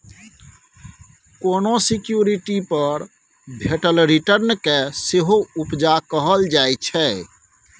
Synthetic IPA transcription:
konosikjuɾiʈipəɾ | bʱeʈəlɾiʈəɾnkeseɦoupd͡ʒakəɦəld͡ʒajt͡ʃʰɛ

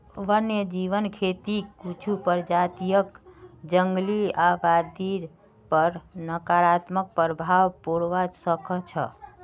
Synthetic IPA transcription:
ʋənjəd͡ʒiʋənkʰet̪ikut͡ʃʰupəɾd͡ʒat̪ijəkd͡ʒəŋɡliaʋad̪iɾ | pəɾnəkaɾat̪mək̚pəɾbʱawpoɽʋad͡ʒsəkət͡ʃʰə̰

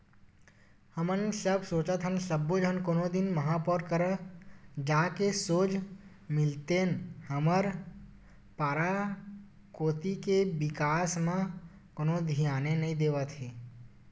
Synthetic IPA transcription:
həmənsəbsoːt͡ʃət̪ɦənsəbːod͡ʒənkoːnõd̪ɪnməɦãpɔɾkəɾə | d͡ʒaːkesoːd͡ʒ | mɪlt̪enhəməɾ | paːɾa | koːt̪ikeʋɪkaːsmã | konod̪ʱijaːnenɐɦĩd̪eːʋət̪ɦeː

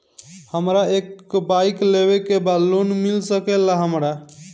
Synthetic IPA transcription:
həmɾaekbajkleβekebalonmilsəkɛlːaɦəmɾa

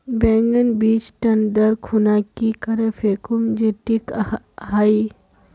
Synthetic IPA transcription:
bɛ̃ːŋɡənbiːt͡ʃʈɐnd̪əɾkʰunakikɐɾəfʰekʊmd͡ʒeʈik | ɦaːi

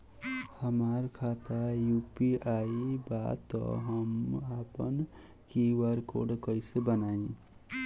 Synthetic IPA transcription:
həmaɾkʰaːt̪ajuːpiaːiba̰t̪ɔ̰ɦəmaːpən | kiwaɾko̰ɖkəisebənaːĩ

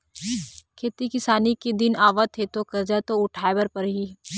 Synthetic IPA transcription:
kʰeːt̪ikɪsaːnikid̪ɪnaːʋət̪ɦet̪okɐɾd͡ʒat̪oʊʈʰaːebəɾpɐɾɦiː

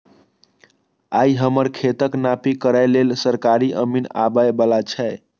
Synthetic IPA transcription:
aiɦəməɾkʰet̪əknapikəɾajlelsəɾkaɾiʔəmina̰bəebəlat͡ʃʰɛe

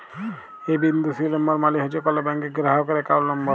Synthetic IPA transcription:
ebind̪ʱusilɔmbɔɾmaliɦot͡ʃʰekɔlɔbɛŋkeɡɾaɦɔkɔɾekawlnɔmbɔ

